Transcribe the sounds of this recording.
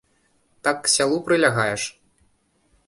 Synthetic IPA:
t̪akːsʲalˠupɾɨlʲaɣajɛʂ

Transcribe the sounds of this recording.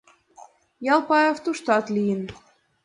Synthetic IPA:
jɑlˠpɑjoft̪uʃt̪ɑt̪lʲijən

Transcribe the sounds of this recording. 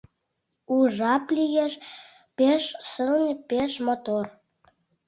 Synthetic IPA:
uʒɑplijeʃ | peʃsəlnʲpeʃmot̪or

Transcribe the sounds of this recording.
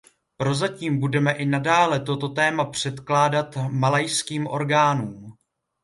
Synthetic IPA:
pɾo̞zaciːmbudɛmɛʔɪnadaːlɛt̪o̞t̪o̞t̪ɛːmapr̝̥ɛt̪klaːdat̪malajskiːmʔo̞̰ɾɡaːnuːm

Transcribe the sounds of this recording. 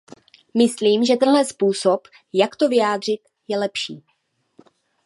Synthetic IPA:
mɪsliːmʒɛt̪ɛnlɛspuːsop | jakt̪o̞vɪjaːd̪r̝ɪt̪ | jɛlɛpʃiː

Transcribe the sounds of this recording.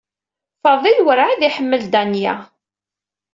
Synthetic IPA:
fɑðˤilwəɾʕaðiħəmːəld̪ænjæ̰

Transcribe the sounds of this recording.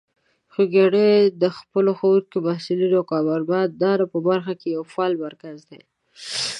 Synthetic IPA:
xuɡaɽed̪əxpəloxawuɾkemahsilid̪oakɑbaɾbɑt̪̚d̪ɑɾapəbaɾxakejawfɑlmaɾkazd̪e

